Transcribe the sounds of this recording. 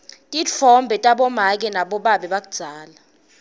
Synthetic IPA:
tʼit͡fʰɔmbʱɛtʼaɓɔmak̬ɛnaɓɔɓaɓɛɓak̬ʼud̥d͡z̥ʱaːla

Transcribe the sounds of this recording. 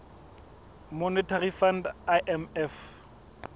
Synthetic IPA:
monɛtʰarifandaʔɛmɛf

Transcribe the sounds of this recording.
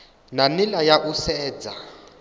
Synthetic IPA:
nanilajaʔusɛːd͡za

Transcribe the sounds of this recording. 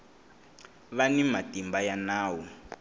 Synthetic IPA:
βanimatimbajanaːwɔ

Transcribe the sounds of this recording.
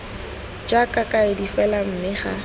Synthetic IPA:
d͡ʒakʼakʼaɪdifɛlam̩mɪχa

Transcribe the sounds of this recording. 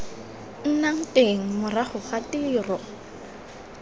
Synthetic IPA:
n̩naŋ̩teŋ̩mʊraχʊχatiːrɔ

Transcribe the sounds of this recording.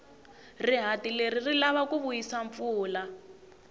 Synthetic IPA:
riɦatileririlaβakuβujisaɱp̪fuːla

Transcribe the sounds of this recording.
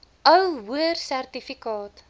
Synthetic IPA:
ʔəwwuərsærtifikɑːt

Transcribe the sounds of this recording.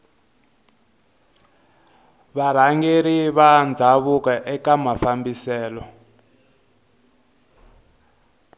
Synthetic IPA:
βaɾ̤aŋɡeɾiβand͡zʱaβukaʔɛkamafambisɛːlɔ

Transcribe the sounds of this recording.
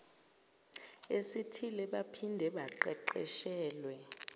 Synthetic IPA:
esitʰilɛɓapʰindʱɛɓaǃɛǃɛ̰ʃɛːlwɛ

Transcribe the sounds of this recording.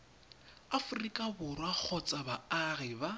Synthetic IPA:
afʊrikʼabʊrwak͡xʰɔt͡sʼabaaɣɪba

